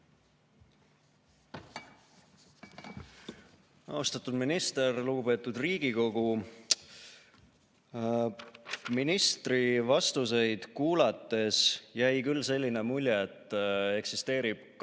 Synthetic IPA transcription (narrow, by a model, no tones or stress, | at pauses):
ɑ̰ust̪ɑt̪ud̪minist̪e̞rluɡ̥upe̞ːt̪ːˑud̪̥riːɡ̥iko̞ɡ̥u | minist̪rivɑst̪use̞jd̪̥kuːlɑt̪ːˑe̞sjæjkylːse̞lʲːine̞mulʲjeet̪ːˑe̞ksist̪e̞ːɾib̥k